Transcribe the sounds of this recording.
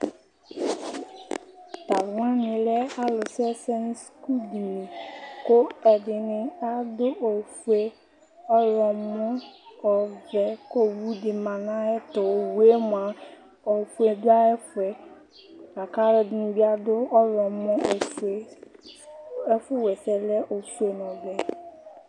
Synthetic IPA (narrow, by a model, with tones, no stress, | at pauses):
t̪a˨lwã˦nɪ̃˨lɛ˦a˦lʊ˨sɛ˦sɛ˦n˦sku˦di˨nĩ˨ko˦ɛ˨dɪ˨nɪ̃˨a˦dʊ˦o˨fu˦e˦ | ɔ˦jɔ˨mʊ̃˦ɔ˨vɛ˨ko˦wu˦dɪ˨mã˨nã˦ɛ˦t̪ɔ˨wu˨˦e˦m˨a˨ | o˨fu˦e˨da˦ɛ˦fʊ˨ɛ˨ | a˨ka˦ɾɪ˨dɪ˨nʊ̃˨bi˦a˦dʊ˦ɔ˦jɔ˨mɔ̃˦˨fe˦ | ɛ˦fʊ˦wɛ˨sɛ˨lɛ˦ʔo˨fu˦e˨nɔ̃˨bɛ˨